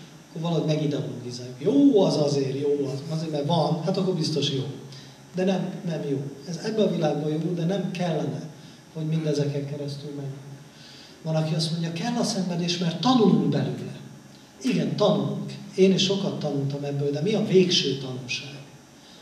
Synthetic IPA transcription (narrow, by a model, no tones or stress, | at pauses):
kːorvɒlɒɦo̞ɟmɛɡid̪ɛoloːɡizaːjukjoːɒzɒzeːrjoːɒzɒzeːɾmɛrvɒnhat̪ɒkːorbist̪o̞ʃjoː | d̪ɛnɛmnɛmjoːɛzɛbːɛɒvilaːɡbɒjoːld̪ɛnɛmkɛlːɛnɛ | ho̞ɟmind̪ɛzɛkɛŋkɛɾɛst̪ylmɛɟyŋ | vɒnɒkiɒst̪mo̞ɲɟɒkɛlːɒsɛɱvɛd̪eːʃmɛrtt̪ːɒnuluŋkbɛlylɛ | iɡɛnt̪ɒnuluŋkeːniʃʃo̞kɒt̪ːɒnult̪ɒmɛbːøːd̪ɛmiɒveːkʃøːt̪ɒnulʃaːɡu